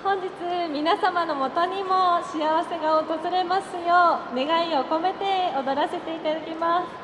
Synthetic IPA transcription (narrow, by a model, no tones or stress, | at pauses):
hõ̞ɲ̟d͡ʑit͡sɨmʲinasamano̞mo̞t̪o̞ɲ̟imo̞ɕijaβase̞ɡaot̪o̞zɨɾe̞masɨjone̞ɡaio̞ko̞me̞t̪e̞od̪o̞ɾase̞t̪e̞it̪ad̪akʲimasɨ̥